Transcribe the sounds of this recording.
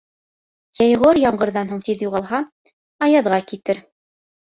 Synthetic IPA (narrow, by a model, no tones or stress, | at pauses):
jɑjʁoɾjɑɴɢɤ̆ɾðɑnɦuɴt̪iðjuʁɑlˠɦɑ | ɑjɑðʁɑkit̪ɘɾ